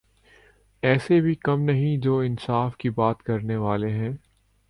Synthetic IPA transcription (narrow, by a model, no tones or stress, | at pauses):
ɛːsebʱikɐmnɐɦĩd͡ʒoːɪ̃nsaːfkibaːt̪kɐɾneʋaːleɦɛ̃ː